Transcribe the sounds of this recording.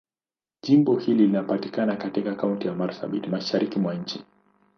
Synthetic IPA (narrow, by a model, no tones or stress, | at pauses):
ʄimbɔhililinapatikanakatikakauntijamaɾsa̰ɓḭtmaʃaɾikimwaɲ̩t͡ʃi